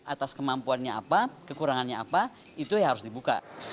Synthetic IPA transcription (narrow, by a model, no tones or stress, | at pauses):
ʔat̪askəmampuanɲaa̰pakəkuɾaŋanɲaapa | it̪ujɦaɾʊs̬dibuka̰